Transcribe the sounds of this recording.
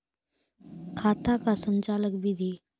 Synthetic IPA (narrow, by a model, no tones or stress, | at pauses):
kʰat̪akasənt͡ɕaləkbid̪ʱi